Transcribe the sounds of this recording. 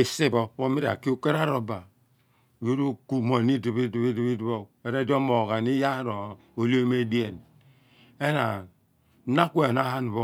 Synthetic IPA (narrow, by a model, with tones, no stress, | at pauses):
e˨si˦bo˦bo˦mi˦ɾa̰˨ki˦u˦ke˦ɾa˦ɾo˨ba˨ | jo˦ɾo˦ku˦mo˨ni˦di˨βi˦di˨βi˦di˨βi˦dbo˦e˨ɾe˦do˦mo˨ɡa˨ni˦ja˦ɾo˨ | o˨li˦o˦me˦di˦e˨n | e˦na˨˦ | na˦ku˦e˨na˦ha˦n˨βo˦